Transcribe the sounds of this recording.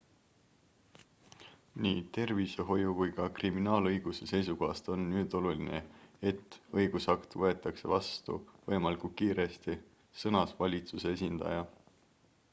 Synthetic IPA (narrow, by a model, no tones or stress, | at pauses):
niːt̪e̞rviseɦo̞jukujkɑkriminɑːlɤjɡ̥use̞se̞jsuko̞ɦɑst̪o̞nːyːd̪̥o̞lulinee̞t̪ːˑɤjɡ̥usɑkt̪vɤe̞t̪ːˑɑkse̞vɑst̪ṵvɤemɑlikukiːɾe̞st̪i | sɤnɑsvɑlʲit̪suse̞esʲind̪̥ɑ̰jɑ